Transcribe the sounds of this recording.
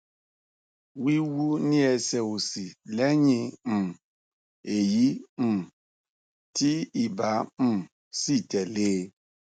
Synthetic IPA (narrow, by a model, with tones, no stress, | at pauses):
wi˦wu˦nĩ˦ɛ˧sɛ˨wu˨si˨lɛ˦ɲĩ˧m̩˨ | e˨ji˦m̩˨ | ti˦i˨ba˨˦m̩˦ | si˦˨tɛ˨leː˦